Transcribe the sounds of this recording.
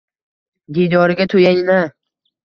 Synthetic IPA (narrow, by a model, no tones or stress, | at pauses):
ɡijd̪ɒɾɪɡʲat̪ʰojajɪna